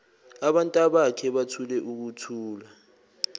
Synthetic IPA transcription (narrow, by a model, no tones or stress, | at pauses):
aɓantʼaɓakʰɛɓatʰulɛʔuk̬utʰuːla